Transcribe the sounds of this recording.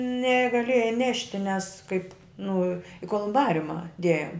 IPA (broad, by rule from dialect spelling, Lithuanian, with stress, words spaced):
nʲɛɡɐˈlʲeːjɛɪ ˈnʲæːʃʲtʲɪ nʲɛs kɐɪp nʊ ɪ koːlˠʊmˈbɑːrʲʊmɐ ˈdʲeːjoːm